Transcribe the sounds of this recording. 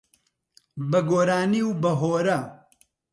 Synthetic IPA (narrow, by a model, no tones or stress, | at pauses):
bɐɡoːɾaːniwbɐɦoːɾɐ